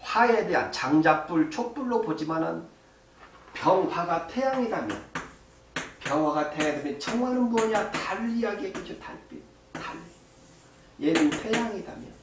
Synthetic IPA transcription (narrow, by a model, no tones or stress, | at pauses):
ɸaedeɦa̰nt͡ɕaŋd͡ʑap͈uɭt͡ɕʰop͈uɭːopod͡ʑimanɯ̰n | pjʌŋɸwaɡatʰejaŋidamjʌ̰n | pjʌŋwaɡatʰeaɡimet͡ɕʰʌŋwʌnɯnmuʌɲiatalːiaɡiek͈ɯd͡ʑita̰ɭp͈ḭ | taɭːi | jenintʰejaŋidamjʌ̰n